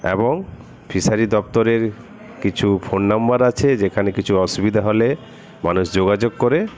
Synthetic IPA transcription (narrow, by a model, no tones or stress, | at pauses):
ḛboŋ | fʰiʃaɾid̪ɔp̚t̪oɾeɾ | kit͡ɕʰufʰonːambaɾat͡ɕʰed͡ʑekʰanekit͡ɕʰuɔʃubid̪ʱaɦole | manuʃd͡ʑoɡad͡ʑoɡ̚koɾe